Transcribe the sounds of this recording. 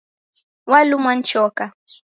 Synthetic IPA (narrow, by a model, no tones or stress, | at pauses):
walʊmant͡ʃowka